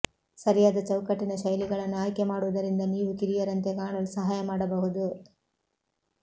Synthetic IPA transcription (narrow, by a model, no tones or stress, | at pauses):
sɐɾijaːd̪ɐt͡ʃɐwkɐʈːinɐʃɐjliɡɐɭɐnːaːjkemaːɽuʋɐd̪ɐɾind̪ɐniːʋukiɾijɐɾɐnt̪e̞kaːɳɐlsɐɦaːjɐmaːɽɐbɐɦud̪u